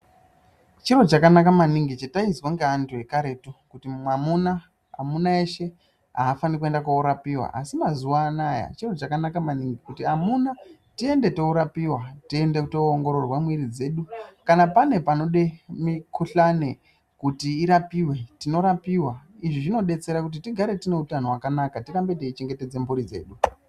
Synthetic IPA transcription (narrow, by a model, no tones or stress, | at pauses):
t͡ʃiro̞t͡ʃakanakamaniŋɡit͡ʃetaizwaŋɡeantuje̞kaɾe̞tokutimamuna | a̰munaeʃe̞ | ɦa̰ːfanikue̞ndakauɾapiwa̰ʔa̰simazuwaːnaja̰t͡ʃiro̞t͡ʃakanakamaniŋɡikutiamunatie̞nde̞touɾapiwatie̞ndekutoːŋɡo̞ɾo̞rwamwiɾid͡ze̞ːɗukanapane̞pano̞ɗemikuɬane̞ | kutiːɾapiwe̞tino̞ɾapiwaiʐiʐino̞ɗe̞t͡se̞ɾakut̬itiɡʱaɾe̞tine̞utanowakanakatiɾambe̞t̬eit͡ʃe̞ŋɡe̞te̞d͡ze̞mbuɾid͡ze̞̰ːɗu